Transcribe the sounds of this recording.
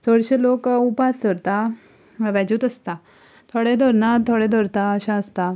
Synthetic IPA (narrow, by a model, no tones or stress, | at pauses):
səɽɕelokupast̪əɾt̪a | ʋɛd͡ʑuːt̪əst̪a | t̪ʰoɽẽd̪ʱɔɾnat̪ʰːoɽẽd̪ʱɔɾt̪aəɕãəst̪a